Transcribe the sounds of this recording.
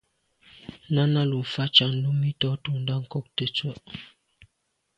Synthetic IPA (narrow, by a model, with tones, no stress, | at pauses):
na˦na˦lu˨fa˦t͡ʃa˨n̩˦du˦mi˦tɔ˦tu˨n˦da˦ŋ̩˦˨kɔ˦k̚tə˦t͡swə˦ʔ